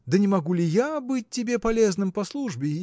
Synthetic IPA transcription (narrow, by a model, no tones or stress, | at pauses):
d̪ɐnʲɪmaɣulʲijabɨt͡sʲtʲːɪbʲeɛpalʲɛznɨmpɐslˠuʐbʲɪ